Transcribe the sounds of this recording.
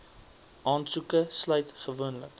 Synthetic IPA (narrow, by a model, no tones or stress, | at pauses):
ʔɑːnsukəslœɥtχəvuənlə̰k